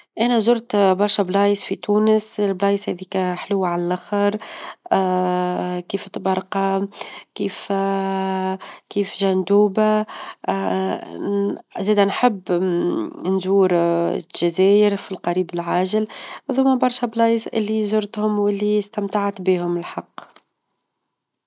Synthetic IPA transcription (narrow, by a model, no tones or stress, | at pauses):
ʔænɛzʊɾt̪bɑɾˤʃæblɑːjsfit̪uːnəsɪlblɑːjshɛðiːkæħluwːʕalælʔaxəɾˤ | kiːft̪bɑɾˤqɑkiːf | kiːfʒænd̪uːba | zɛːd̪ænħəbː | nzuːɾ̰ʒæzɛːjəɾfilqɑɾiːbɪlʕaːʒɪlðʊmːæbɑɾˤʃɛblɑjsʔɪlːizʊɾt̪hʊmwɪlːist̪æmt̪aʕat̪biːhʊmɪlħɑqː